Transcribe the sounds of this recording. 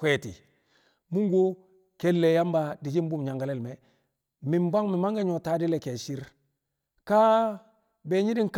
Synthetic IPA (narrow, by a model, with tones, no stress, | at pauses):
kwe˦˨tḭ˨ | mu˦ŋɡo˦ | ke˦lːe˨ja˦mba˨di˨d͡ʒi˦m˦bu˦mɲa˨ŋɡa˨lɛ˦˨lmɛ˨ | mɪ˨mba˦ŋmi˨ma˦ŋɡa˦ɲo˨ta˦di˦lɛ˨ke˨ʃi˦ɾ | ka˦ | be˨ɲi˦di˦ŋk